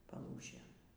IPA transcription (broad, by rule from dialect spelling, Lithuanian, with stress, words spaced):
pɐˈlˠuːʃʲeːn